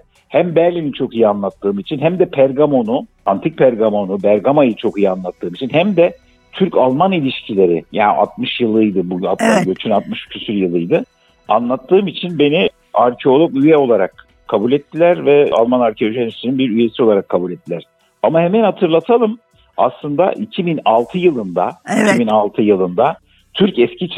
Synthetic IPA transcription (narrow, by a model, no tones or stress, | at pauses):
hæmbæɾlʲinint͡ʃʰo̞kijianlˠat̪ʰːɯːmit͡ʃʰinɦæmd̪ɛpʰæɾɡamo̞nʊ | ant̪ʰik̚pʰæɾɡamo̞nubæɾɡamajɯt͡ʃʰo̞kijianlˠat̪ːɯːmit͡ʃʰinɦæmd̪ɛ | t̪ʰyɾcalˠmanilʲiʃcʰilʲe̞ɾɪjaːnʔa̰t̪̚mɯʃjɯlˠɯjd̪ɯbuat̪ɟøt͡ʃʰynat̪̚mɯʃcʰysyɾjɯlˠɯjd̪ɯ | a̰nlˠat̪ʰːɯːmit͡ʃʰinbe̞ni | aɾcʰeo̞lˠokyjɛo̞lˠaɾak | kʰːabulʲɛt̪ʰːilʲæɾvɛa̰lˠmanaɾcʰeoʒielʲiʃʲeɾinbiɾyje̞sio̞lˠaɾakʰːabulʲɛt̪ːilʲæɾ̥ | amahemænhat̪ʰɯɾlˠat̪ʰalˠɯm | a̰slˠɯnd̪a̰ʔicʰibinalˠt̪ʰɯjɯlˠɯnd̪aicʰibinalˠt̪ʰɯjɯlˠɯnd̪a | t̪ʰyɾcɛscit͡ʃʰ